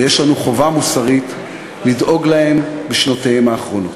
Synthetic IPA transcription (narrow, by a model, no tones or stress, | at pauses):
jeʃlanuχo̞vamusaʁit̪ | lidʔo̞ɡlahe̞mbeʃnotaemaːχʁo̞no̞t